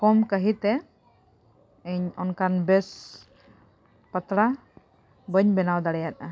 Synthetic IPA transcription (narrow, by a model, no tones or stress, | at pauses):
kɔmkəɦit̪ɛ | əɲɔnkanbɛs | pat̪ɾa | bəɲbɛnawd̪aɽɛjat̪̚a